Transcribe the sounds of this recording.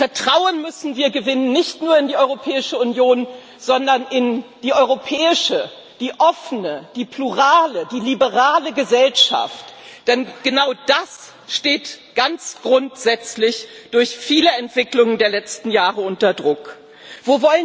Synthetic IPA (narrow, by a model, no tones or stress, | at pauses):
fɛɐtʁ̥aʊənmʏsn̩viːɐɡəvɪnənːɪçtnuːɐɪndiːʔɔʏʁopʰɛːɪʃəʊnjoːn | z̥ɔndɐnʔɪnd̥iːʔɔʏʁopʰɛːɪʃə | d̥iːʔɔfənəd̥iːpʰluʁaːləd̥iːlibəʁaːləɡəzɛlʃa̰ftd̥ɛnɡ̥ənaʊd̥as | ʃteːt | ɡ̥ant͡sɡ̥ʁʊntz̥ɛt͡slɪçd̥ʊɐçfiːləɛntv̥ɪklʊŋəndeːɐlɛt͡stn̩jaːʁəʊntɐdʁʊk | v̥oːvɔlə